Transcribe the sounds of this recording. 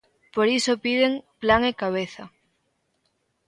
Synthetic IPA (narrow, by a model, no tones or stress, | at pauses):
poɾisopið̞eŋplaŋekaβ̞eθa